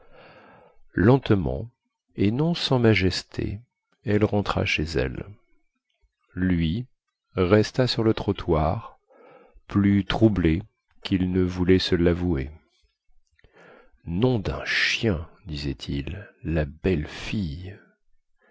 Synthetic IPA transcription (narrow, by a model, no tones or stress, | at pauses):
lɑ̃t̪mɑ̰̃ | enɔ̃sɑ̃maʒɛst̪ʰḛ | ɛlʁɑ̃t̪χa̰ʃezɛ̰l | lɥi | ʁɛst̪asyʁlət̪χɔt̪ʰwaʁ | plyt̪χuble | kilnəvulɛsəlavue | nɔ̃d̪ɛ̃ʃjɛ̃d̪izɛt̪ʰilːabɛlfij